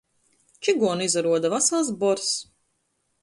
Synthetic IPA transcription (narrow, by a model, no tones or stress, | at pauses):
t͡ʃiɡuɔnizaɾuɔd̪avasalˠsbɔɾs